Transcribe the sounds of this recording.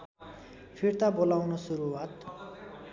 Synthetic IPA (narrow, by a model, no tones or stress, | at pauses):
pʰirt̪abolawnʌsuɾuwat̪